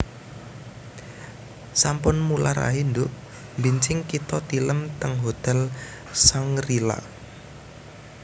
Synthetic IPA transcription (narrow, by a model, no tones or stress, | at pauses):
sampʊnmulaɾa̰ɦind̪ʊʔ | mbiɲt͡ʃɪŋkit̪ɔt̪iləmt̪əŋɦot̪ɛl | saŋrila̰